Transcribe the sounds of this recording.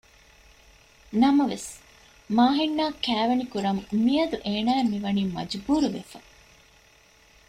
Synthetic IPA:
nɐmɐʋes | maːɦinːaːkæːʋɐnikuɾɐmmijɐd̪uʔeːnæːemiʋɐniːmɐ̰d͡ʒbuːɾuʋḛfɐ

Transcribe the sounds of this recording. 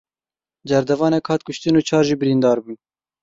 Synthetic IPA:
d͡ʒɛɾd̪ɛvɑːnɛkhɑːt̪̚kʊʃt̪ɨnuːt͡ʃʰɑːɾʒiːbɨɾind̪ɑːɾbuːn

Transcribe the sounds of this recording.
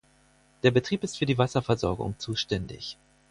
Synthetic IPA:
d̥eːɐbətʁ̥iːpɪstfyːɐdiːvasɐfɛɐzɔɐɡʊ̰ŋt͡suːʃtɛndɪ̰ç

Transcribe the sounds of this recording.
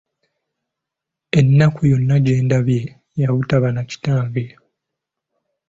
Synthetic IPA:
e̞nːakujo̞nːaɟe̞ːndaβje̞ | jaβutaβanaci̥taːŋɡe

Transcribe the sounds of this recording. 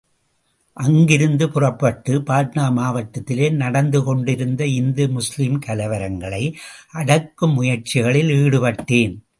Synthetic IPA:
ʔɐŋɡɪɾɯnd̪ɯpʊrɐpːɐʈːɯpaːt̪naːmaːʋɐʈːɐt̪ːɪleːnɐɽɐnd̪ɯkɔɳɖɪɾɯnd̪ɐɪnd̪ɯmʊslɪmkɐlɐʋɐɾɐŋɡɐɭɐɪʔɐɽɐkːɯmːʊjɐɾt͡ʃɪɣɐɭɪliːɽɯpɐʈːeːn

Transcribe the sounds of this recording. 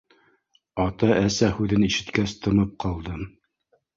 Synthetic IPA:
ɑt̪ɑʔæsæhʉðɘniʃɘ̆t̪kæst̪ʰɤ̆mɤp̚qɑlˠd̪ɤm

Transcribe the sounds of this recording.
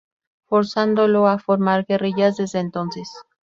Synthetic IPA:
fo̞ɾsand̪olo̞afoɾmaɾɣe̞riʝazðe̞zðeːnt̪o̞nses

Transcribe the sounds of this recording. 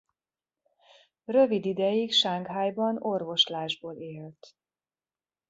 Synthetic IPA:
rø̞vid̪id̪ɛjikʃaŋɡɦaːjbɒno̞rvo̞ʃlaːʒboːleːlt̪

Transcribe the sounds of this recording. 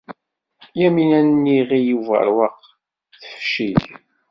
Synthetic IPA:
jæminænnːiʁijuvə̰ɾwəq | θə̥fʃið

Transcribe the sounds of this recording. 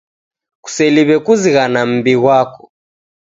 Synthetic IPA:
ku̥sɛliβɛkuziɣanam̩biɣwakɔ̥

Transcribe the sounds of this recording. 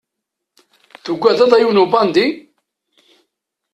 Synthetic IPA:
θuɡʷːæðæðˤæjunubɑnd̪i

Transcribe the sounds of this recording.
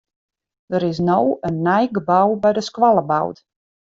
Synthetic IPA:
d̥əɾɪs̬nowənːɛjɡəbawbɛjdəskwalˠəba̰wt

